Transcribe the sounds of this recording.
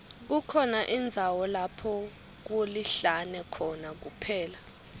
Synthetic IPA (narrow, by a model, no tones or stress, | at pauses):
k̬ukʰɔnaʔind͡zʱawɔlapʰɔ | k̬oliɬanɛkʰɔnak̬upʰɛːla